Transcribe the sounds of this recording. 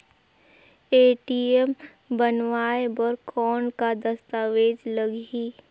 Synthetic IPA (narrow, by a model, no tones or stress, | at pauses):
eːʈiem | bənʋaːebɔɾkʰɔːnkad̪ɐst̪aːʋeːd͡ʒləɡiː